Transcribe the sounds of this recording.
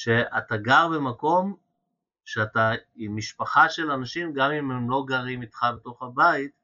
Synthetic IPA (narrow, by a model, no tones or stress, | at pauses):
ʃe̞a̰taɡaʁbemako̞m | ʃeataimːiʃpaχaʃe̞lanaʃimɡamimemlo̞ɡaʁimitχabeto̞χhabait